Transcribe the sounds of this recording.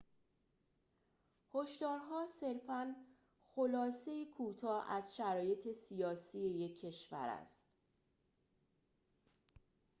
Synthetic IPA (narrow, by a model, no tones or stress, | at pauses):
hoʃd̪ɒːɾɦɒːse̞ɾfæn | xolɒːse̞jekʰuːt̪ʰɒːʔæzʃæɾɒːje̞t̪ʰe̞sijɒːsije̞jecʰːe̞ʃvæ̰ɾæ̰st̪